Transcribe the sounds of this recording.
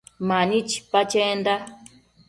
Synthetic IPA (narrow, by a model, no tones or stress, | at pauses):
mãnĩt͡ʃi̥pat͡ʃend̪a